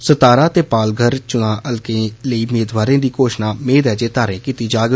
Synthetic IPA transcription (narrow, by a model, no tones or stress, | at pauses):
sət̪aːɾaːt̪eːpaːlɡʱəɾt͡ʃʊnãːʔəlkẽːləiːmeːd̪ʋaːɾẽːd̪iːkoːʃnaːmeːd̪ɛːd͡ʒeːt̪aːɾẽːkiːt̪iːd͡ʒaːɡ